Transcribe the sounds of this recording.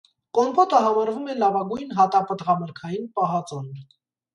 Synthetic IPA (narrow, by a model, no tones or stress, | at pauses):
kɔnbɔt̪əɦɑmɑɾvumɛlɑvɑɡujnɦɑt̪ɑpət̪ʁɑməɾkʰɑjinpɑɦɑt͡sɔnɾ